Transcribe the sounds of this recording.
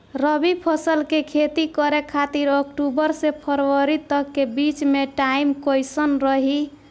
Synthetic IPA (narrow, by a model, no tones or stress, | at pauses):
ɾəbipʰəsəlkekʰet̪ikəɾekʰat̪iɾokʈubəɾsepʰəɾwəɾit̪əkːebit͡ʃmeʈaimkojsənɾəɦi